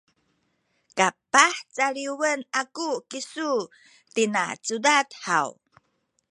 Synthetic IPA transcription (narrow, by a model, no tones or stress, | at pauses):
kapaħt͡saɾiwənakukisu | t̪ina̰t͡sudatha̰w